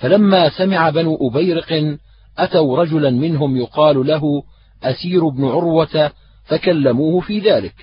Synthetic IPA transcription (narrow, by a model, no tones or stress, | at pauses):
falamːaːsamɪʕabanuʔʊbajɾɪqn | ʔat̪awɾˤɑd͡ʒʊlanmɪnɦʊmjʊqɑːllaɦʊ | ʔasiːɾbnʊʕʊɾwat̪a | fakalːamuːhʊfiːðaːlɪk